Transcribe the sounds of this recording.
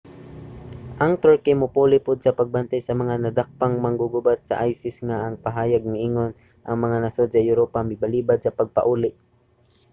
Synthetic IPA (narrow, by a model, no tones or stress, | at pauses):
ʔɐŋt̪ɔɹkɪmʊpuːlɪpʊd̪̚sɐpɐɡ̚bant̪ajsɐmɐŋanɐd̪ak̚paŋmɐŋɡʊɡʊbat̪̚sɐ̰ʔajsɪsŋaʔɐŋpaɦaːjaɡ̚naʔiːŋon | ʔɐŋmɐŋanɐsod̪sɐjʊɾopamɪbɐliːbad̪̚sɐpɐɡ̚pɐ̰ʔuːlɪʔ